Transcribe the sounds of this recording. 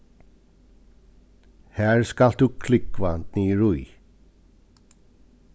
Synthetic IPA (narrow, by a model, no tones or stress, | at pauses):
hæːɹskald̪ʉːkʰlʏkʋand̪niːɹʉɪ